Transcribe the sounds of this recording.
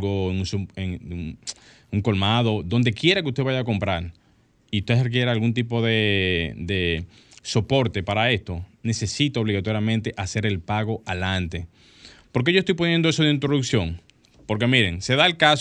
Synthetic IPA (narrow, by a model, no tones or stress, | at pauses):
ɣoeŋusueŋ | uŋko̞lmað̞o̞d̪o̞nd̪e̞kje̞ɾakeust̪e̞βajaːko̞mpɾaɾ | iut̪e̞rek̬je̞ɾaːlɣunt̪̬ipo̞ðe̞d̪e̞ | so̞po̞ɾt̪e̞paɾae̞st̪o̞ne̞se̞sit̪aoβliɣat̪o̞ɾjamẽnt̪e̞ʔase̞ɾe̞lpaɣo̞ʔalant̪e | po̞ɾk̬eʝost̪ojp̬onjend̪oeso̞ðeint̪ɾo̞ðuksjo̞ŋ | po̞ɾk̬e̞miɾe̞ŋse̞ðaelkas